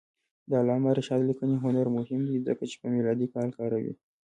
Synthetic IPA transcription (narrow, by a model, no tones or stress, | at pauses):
d̪ɑlɑmaɾɪʃɑd̪likəniɦʊnaɾmʊhɪmd̪izəkat͡ʃe̥pəmilɑd̪ikɑlkɑɾawḭ